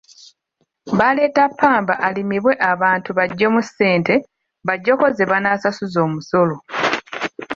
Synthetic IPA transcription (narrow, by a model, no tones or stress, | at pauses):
βale̞ːtapʰːaːmbaʔalimiβwe̞ʔaβaːntuβaɟːomusːe̞ːnte̞ | βaɟːo̞ko̞zeβanasasuzo̞ːmuso̞lo̞